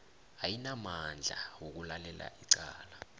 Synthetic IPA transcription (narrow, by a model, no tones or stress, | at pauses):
ajinamand͡ɮʱa̰wok̬ulalɛla̰iǀaːla